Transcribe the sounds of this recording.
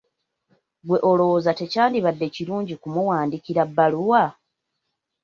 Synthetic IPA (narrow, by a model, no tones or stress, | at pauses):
ɡwe̞ʔolo̞zate̞caːndiβadːe̞ciɾuːɲɟikumuwaːndikiɾabːaluwa